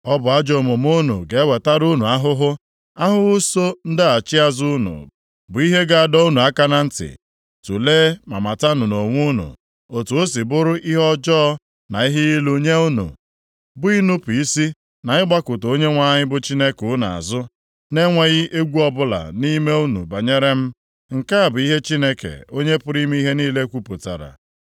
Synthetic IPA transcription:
ɔ˦bʊ˨a˦d͡ʒo˨mʊ˨m˦o˦nṵ˨ɡe˨e˦we˨ta˦ɾu˦nu˨a˦ɦʊ˦ɦʊ˦ | a˦ɦʊ˦so˦n̩˦dɪ˦a˨t͡ʃɪ˦a˦zu˦ʊ˦nṵ˨ | bʊ˨i˦ɦe˦ɡa˦a˨dɔ˦u˦nu˨a˦ka˦na˦n̩˦tɪ̰˨ | tu˨leː˦ma̰˨ma˨ta˦nʊ˨no˨ŋʷu˦nṵ˨ | o˨tu˨o˦si˨bʊ˦ɾʊ˦ʔi˦ɦɔ˦d͡ʒɔː˦ | na˨i˦ɦɪ˦i˦lu˦ɲe˦u˦nṵ˨ | bʊ˦i˦nʊ˦pi˦si˦ | na˨ɲɪ˦ɡ͡ba˦kʊ˨to˦ɲe˦ŋʷa˦ɲɪ˦bʊ˦t͡ʃi˦ne˦kʊ˨˦na˨a̰˨zʊ˦ | ne˦ŋʷe˦ɣɪ˦ʔe˦ɡʷu˦ɔ˦bʊ˦la̰˨ni˦me˦u˦nṵ˨ba˨ɲe˦ɾe˦m̩˦ | ŋ̩˨ka˦a˨bʊ˨i˦ɦe˦t͡ʃi˦ne˦kḛ˨o˦ɲe˦pʊ˦ɾi˦m˦i˦ɦe˦niː˦le˦kʷu˦pʊ˨ta̰˨ɾa̰˨

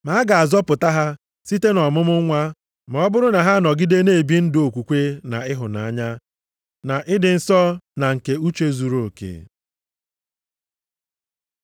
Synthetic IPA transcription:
ma˨˦a˦ɡa˨a˨zɔ˦pʊ˨ta˦ɦa˦ | si˦te˦nɔ˨mʊ˦mʊ˦ŋʷa˦ | m˨ɔ˦bʊ˦ɾʊ˦na˨ɦa˦nɔ˨ɡi˦de˦ne˦˨bi˦n̩˦do˨kʷu˨kʷe˦na˨ɪ˦ɦʊ˨na̰˨a˦ɲa˦ | na˨ʔɪ˦dɪ˨n̩˨sɔ˦na˨ŋ̩˨ke˨u˦t͡ʃe˦zu˨ɾo˨kḛ˦˨

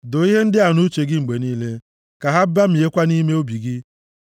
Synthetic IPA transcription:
do˨i˦ɦe˦n̩˦dɪ˦a˨nʊ˦t͡ʃe˨ɡɪ˦ŋ͡m̩˨ɡ͡be˨niː˦le˦ | ka˨ɦa˦ba˦m̩˨e˦kʷa˦ni˦me˦o˦bi˨ɡɪ˦

